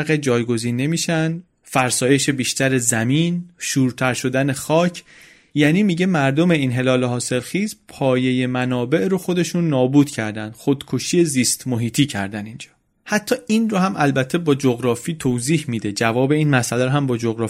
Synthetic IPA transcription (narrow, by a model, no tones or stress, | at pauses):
ɣed͡ʒɒːjɡo̞ziːnːe̞miːʃænd̪ | fæɾsɒːje̞ʃebiːʃt̪ʰæɾezæmiːnʃuːɾt̪ʰæɾʃo̞d̪æne̞xɒːcʰ | jæːniːmiɟe̞mæɾd̪o̞me̞inɦe̞lɒːleɦɒːse̞lxiːzpʰɒːje̞je̞mænɒːbe̞ʔɾoxo̞d̪e̞ʃunːɒːbuːd̪̥cʰæɾd̪ænd̪̥xod̪̥kʰoʃiːe̞ziːst̪moɦiːt̪ʰiːcʰæ̰ɾd̪ænind͡ʒɒ̥ː | hæt̪ʰːɒːʔinrohæmʔælbæt̪ʰːe̞bɒːd͡ʒoɣɾɒːfiːt̪ʰoːziːhmid̪e̞d͡ʒævɒːbe̞iːnmæsælæɾoɦæmbɒːd͡ʒoɣɾɒː